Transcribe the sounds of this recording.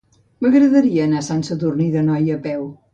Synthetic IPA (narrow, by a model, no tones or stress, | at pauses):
məɣɾəðəɾiəːnasansəðurniðənɔjəpɛw